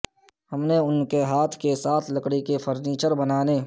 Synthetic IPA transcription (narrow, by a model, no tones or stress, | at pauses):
hɐmneʊnkeɦaːt̪ʰkesaːt̪ʰləkɽikefʰəɾniːt͡ʃəɾbənaːneː